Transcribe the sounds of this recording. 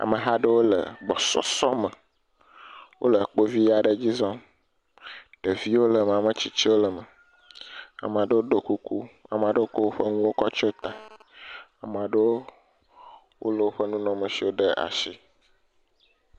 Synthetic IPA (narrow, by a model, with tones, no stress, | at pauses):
a̰˨mə̃˨ɦa˦ɖə˦wo˦lə̰˨ɡ͡bɔ˨sɔ̰˦sɔ˦mə̃˨ | wʔo̰˦lə˨k͡po˦vi˦a˨ɖə˨d͡ʑi˦zɔ̃˦ | ɖ̥ə˨vi˦wo˦lə˨m˨a˨mə̃˨t͡ɕi˦t͡ɕi˦wo˦lə˨mə˨ | a̰˨m̃˨a˨ɖə˦wo˦ɖo˨ku˦ku˦a˨m˨a˨ɖə˦wo˦ko˦wo˦ɸə˦ŋũ˦wo˦kɔ˦t͡ʃɔ˦t̪a˨ | a˨m˨a˨ɖə˦wo˦ | wo˦lə˨wo˦ɸə˦nũ˦nɔ̃˦mə̃˨si˨wo˦ɖə˦a̰˨ʃi˦